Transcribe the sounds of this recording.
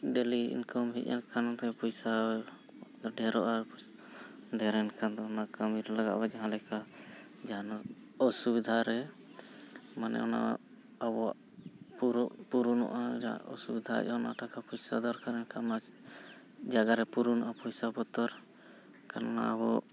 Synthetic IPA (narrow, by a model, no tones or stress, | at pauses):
ɖɛliḭnkɔmɦḭcɛ̰nkʰant̪ɛpɔjsa | d̪ɔɖɛɾɔʔap | ɖɛɾɛnkʰand̪ɔɔnakamiɾlaɡa̰ʔbad͡ʒaɦãlɛka | d͡ʒaɦan | ɔsubid̪ʱaɾɛ | manɛ̰ɔna̰ | abɔ | puɾpuɾunɔ̰ʔad͡ʒ̰ɔ̰subid̪ʱa̰ʔɔnaʈakapɔjsad̪ɔɾkaɾɛnkʰanɔna | d͡ʒaɡaɾɛpuɾunɔʔapɔjsabɔt̪ɔɾ | kanna̰abɔ